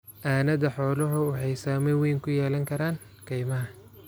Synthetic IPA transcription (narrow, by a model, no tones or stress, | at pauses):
ʔaːnɐðɐħɔːlɔɦʊwɑħɑjsaːmɛwɛjŋkʰʊjɛːlɐŋkʰɐɾaːn | kʰɐjmɐɦɐ